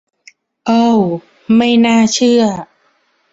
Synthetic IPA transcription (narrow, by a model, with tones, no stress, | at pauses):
ʔɤ˧˥˩w | ma˥˩jnaː˥˩t͡ɕʰɯ˥˩ɐ